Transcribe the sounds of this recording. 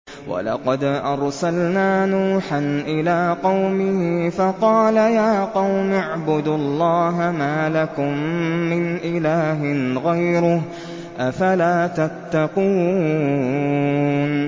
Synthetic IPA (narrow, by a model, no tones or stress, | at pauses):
wɑ̰lɑ̰qɑd̪ʔɑɾˤsalnaːnuːħanʔɪlaːqɑwmɪhɪfɑqɑːlajaːqɑwmʊʕbʊd̪ɑlˤːɑːɦamaːlakʊmːɪnʔɪlaːɦɪɣajɾʊh | ʔafalaːt̪at̪ːɑquː | n